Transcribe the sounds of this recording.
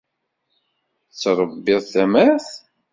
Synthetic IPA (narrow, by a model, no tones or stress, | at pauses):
t͡sːɾˤəbːɪðˤθæmæθ